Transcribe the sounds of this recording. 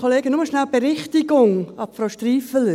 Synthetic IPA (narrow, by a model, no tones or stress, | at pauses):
oleːɡənʊməʃnalb̥əɾɪχtɪɡʊŋɑpfɾowʃtriːfələ